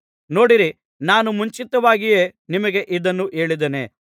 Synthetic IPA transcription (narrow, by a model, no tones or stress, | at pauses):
no̞ːɽiɾi | naːnumuɲt͡ʃit̪ɐʋaːɡije̞ːnimɐɡe̞ʔid̪ɐnːuʔe̞ːɭid̪enḛ